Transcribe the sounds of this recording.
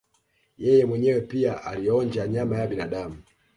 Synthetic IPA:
jɛjɛmwɛɲɛwɛpiaʔalijɔɲd͡ʒaɲamajaɓinaɗamu

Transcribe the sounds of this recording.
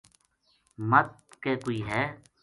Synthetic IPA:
mət̪̚keːkoiːɦɛː

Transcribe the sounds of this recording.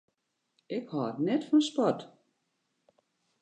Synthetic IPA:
ɪkhɔətnɛtfɔnspɔt

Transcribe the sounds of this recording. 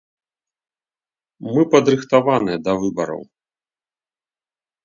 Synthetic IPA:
mɨpɐd̪ɾɨxt̪avanɨjɛd̪ɐvɨbɐɾɐ̰w

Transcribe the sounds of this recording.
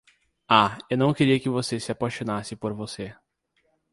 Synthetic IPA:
aewnɐ̃w̃keɾiɐkɪvosesɪapaʃonasɪpoɾvose

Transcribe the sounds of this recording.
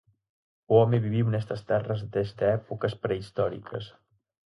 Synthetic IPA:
ɔmeβiβ̞iwnɛst̪əst̪ɛrəzdt̪est̪əɛpukəspɾəist̪ɔɾḭkʰə̰s

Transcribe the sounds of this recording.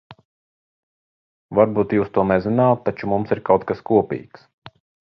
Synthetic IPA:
vaɾbuːt̪juːst̪uɔnɛzɪnaːt̪ːat͡ʃumumsiɾkawt̪̚kaskuɔpḭːks

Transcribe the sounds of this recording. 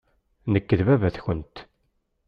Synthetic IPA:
nəkːəðvævæθçənt̪

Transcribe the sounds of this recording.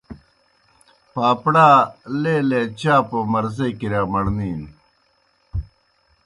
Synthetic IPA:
paːpɽaːleleːt͡ɕaːpomɐɾzekiɾaːmɐɽniːn

